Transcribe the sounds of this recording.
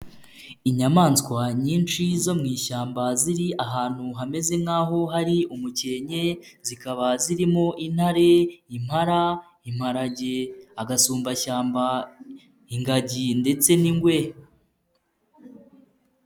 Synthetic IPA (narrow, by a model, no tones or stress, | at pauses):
iɲamaːnskwaɲiːnt͡ʃizo̞mŋiːʃaːmbaziɾiʔaɦaːn̥huɦame̞ze̞ŋaːɦo̞ɦaɾiumuce̞ɲe̞zikaβaziɾimo̞ʔin̥haɾe̞im̥haɾa | im̥haɾaɟeaɡasuːmbaʃaːmba | iŋɡaɟinde̞t͡se̞niŋɡwe